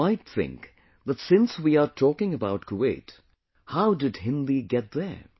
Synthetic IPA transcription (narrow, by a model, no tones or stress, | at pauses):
aɪt̪̚θɪ̰̃ŋk | ðətsɪ̃nswiətʰɔkɪ̃ŋəbaʊt̚kʰueɪt | haʊdɨd̚hɪ̃nliɡɛt̪̚ðə˞